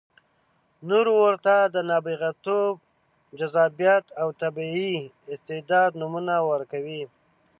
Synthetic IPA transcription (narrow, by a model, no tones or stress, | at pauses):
noɾwəɾt̪ad̪ənɑbiɣat̪ob | d͡ʒazɑbjat̪awt̪abii | ɪst̪ɪd̪ɑd̪numunawəɾkawi